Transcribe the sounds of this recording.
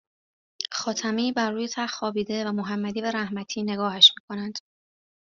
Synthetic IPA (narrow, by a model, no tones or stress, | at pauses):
xɒːt̪ʰæmiːbærːuːjet̪ʰæxːɒːbiːd̪e̞væmoɦæmːæd̪iːbæɾæhmæt̪ʰiːne̞ɡɒːhæʃmiːkʰo̞nænd̪̥